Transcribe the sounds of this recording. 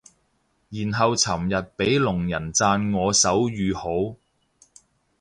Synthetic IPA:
jiː˨˩nɦɐ˨wt͡sʰɐ˨˩mjɐ˨t̚pe˨˥jlʊ˨˩ŋjɐ˨˩nt͡saː˧nŋɔː˨˧sɐ˨˥wjyː˨˧ho˨˥w

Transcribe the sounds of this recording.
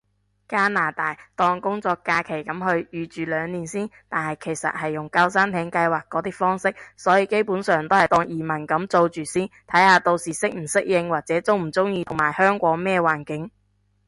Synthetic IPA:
kaː˥naː˨˩t̪aː˨˩jt̪ɔː˧ŋkʊ˥ŋt͡sɔː˧kːaː˧kʰe˨˩jkɐ˨˥mɦɵ˧ɥjyː˨˧t͡ʃyː˨lœː˨˧ŋniː˨nsiː˥nt̪aː˨nhɐ˨jkʰe˨˩jsɐ̰˨t̚hɐ˨jːʊ˨˩ŋka˧wsaː˥nt̪ʰɛː˨˥ŋkɐ˧jwaː˨k̚ːɔː˨˥t̪iː˥fɔː˥ŋsɪ˥k̚sɔː˨˥jiː˧ke˥jpuː˨˥nsœː˨˧ŋt̪o˥whɐ˨jt̪ɔː˧ŋjiː˨mɐ˨˩nkɐ˨˥mt͡so˧wt͡ʃyː˨siː˥nt̪ʰɐ˨˥jhaː˨˧t̪o˧wsiː˨˩sɪ˥k̚m̩˨˩sɪ˥k̚jɪ˧ŋwaː˨˩k̚t͡sɛː˨˥t͡sʊ˥wm̩˨˩t͡sʊ˥ŋjiː˧ʊ˨˩ŋmaː˨˩jhœː˥ŋkʷɔː˨˥ŋmɛː˥waː˨˩nkɪ˨˥ŋ

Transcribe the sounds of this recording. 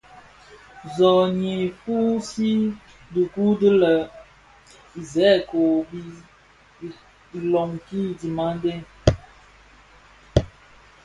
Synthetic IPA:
zɔ˨ɲe˨fu˦si˦ | du˨ku˦də˦lə˨ | i˨zɛ˨˦˨ko˨bi˦˨ | i˨lɔ˨ŋki˦di˨ma˦n˦dɛ˦

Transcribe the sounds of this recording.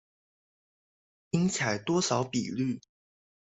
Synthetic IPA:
i˥ŋt͡sʰa˨˩ɪt̪wɔ˥ʂɑ˨˧˥ʊpi˨˩ly˥˩

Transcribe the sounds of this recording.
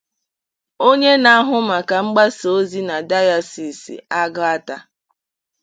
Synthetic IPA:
o˦ɲe˦na˦ɦʊ˦ma˨ka˨ŋ͡m̩˦ɡ͡ba˦so˦zi˦na˨da˦ja˦si˨sḭ˨a˦ɡʊ˦a˦ta˦

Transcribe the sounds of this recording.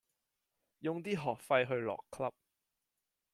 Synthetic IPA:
jʊ˨˧ŋt̪iː˥ɦɔː˨˩k̚fɐ˧jɦɵ˧ɥlɔ̰ː˨kʰːlɐ˥p̚

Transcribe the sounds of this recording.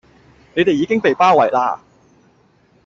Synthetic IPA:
ne˨˧jt̪e˨jiː˨˧kɪ˥ŋpe˨jpaː˥wɐ˨jla̰ː˧

